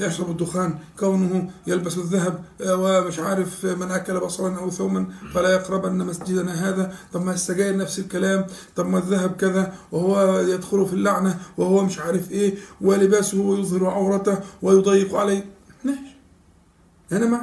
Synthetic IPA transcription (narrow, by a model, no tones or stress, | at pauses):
jɑʃɾˤɑbɪd̪ːʊxaːnkawnʊhʊjalbasɪðːaɦæbwɪmɪʃʕaːɾɪfmɪnʔækːælabɑsˤɑlɑnʔæwθoːmænfælæjɑqɾˤɑbʔɪnːæmæsad͡ʒɪd̪næɦaːðæt̪ˤɑbmːæjɪst̪æɡæːjɾnæfsɪlkælaːmt̪ˤɑbmːæðːaɦæb̚kɪðæwɪhʊwːæjæd̪xʊlʊfilːaʕnæwɪhʊwːæmɪʃʕaːɾɪfʔeːwɪlɪbæːshʊwːæjʊðˤhɑɾuʕɑwɾˤɑt̪awɪjʊd̪ˤɑjːɪqʕalaːnaːʃ | ʔænæma